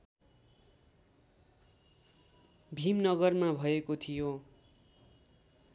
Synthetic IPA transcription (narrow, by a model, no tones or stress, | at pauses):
bʱimnʌɡʌrmabʱʌekot̪ʰijo